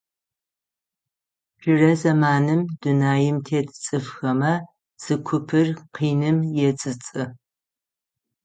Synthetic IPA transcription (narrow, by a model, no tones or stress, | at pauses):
ʒ̥ɪrɐzɐmaːnɨmdunaːjɪmtʰeːtʰt͡sʼɨfxɐmɐ | z̥ɨkʷʰʊpʰɨrqiːnɨmjɛt͡sʼɨt͡sʼɨ